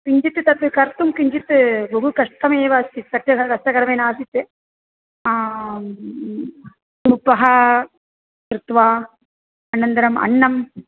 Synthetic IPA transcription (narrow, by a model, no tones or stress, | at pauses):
kɪɲd͡ʒit̪ːɯt̪ɐt̪ːɯkɐɾt̪umkɪɲd͡ʒit̪ːɯboɦukɐʂt̪ɐmeːʋaːsisɐʈɾɐkɐɾkɐst̪ːɐkɐɾɐmɐnaːsit̪ːɯ | smupːɐɦɐ | t̪ɾɯt̪ʋaː | ɐnɐnd̪ɐɾɐmɐ̰ɳːɐm